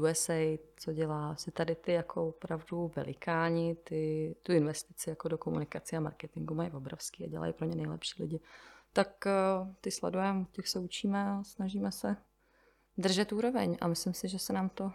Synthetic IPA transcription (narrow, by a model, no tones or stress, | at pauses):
uɛsɛjt͡soɟɛlaːsɪt̪adɪt̪ɪjakʰoopɾavduvɛ̰lɪkaːɲɪt̪ɪt̪uɪnvɛst̪ɪt͡sɪjakodokomunɪkat͡sɪama̰ɾkɛt̪ɪŋɡumajvo̞bɾofskiːa̰ɟɛ̰la̰jipɾoɲɛnɛjlɛ̰pʃi̥ːlɪ̰ɟɪt̪akt̪ɪslɛ̰dujɛmocɛxsɛut͡ʃiːmɛasnaʒiːmɛsɛ | d̪r̩ʒɛt̪uːɾo̞vɛɲa̰mɪslɪmsɪʒɛsɛnaːmt̪o̞